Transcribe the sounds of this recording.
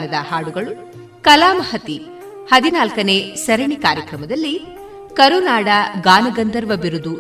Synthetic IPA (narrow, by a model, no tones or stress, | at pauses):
nɐd̪ɐhaːɽuɡɐɭu | kɐlaːmɐhɐt̪i | hɐd̪inaːlkɐne̞ːsɐɾɐɳikaːɾjɐkɾɐmɐd̪ɐlːi | kɐɾunaːɽɐɡaːnɐɡɐnd̪ɐɾʋɐbiɾud̪u